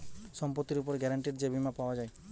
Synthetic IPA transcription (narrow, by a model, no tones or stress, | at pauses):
sɔmpɔt̪ːiɾupɔɾɡɛɾaɳʈiɾd͡ʒebimapawad͡ʒaj